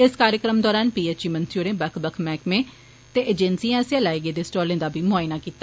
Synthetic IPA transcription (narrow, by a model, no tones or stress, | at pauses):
ɪskaːɾjəkɾəmd̪ɔːɾaːnpiːeːt͡ʃiːmənt̪ʰjuːɾẽːbəkʰbəkʰmɛːkmẽː | t̪eːʔeːd͡ʒensiːãːsiãlaːiːɡeːd̪eːsʈɔːlẽːd̪aːbʱiːmʊaːɪnaːkiːt̪ːaː